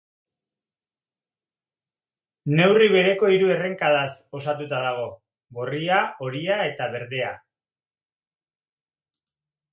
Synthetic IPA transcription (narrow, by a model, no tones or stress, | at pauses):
ne̞wriβe̞ɾe̞ko̞iɾue̞re̞ŋkaðaso̞sat̪ut̪aðaɣ̞o̞ | ɣo̞riao̞ɾiae̞t̪aβe̞ɾðe̞a̰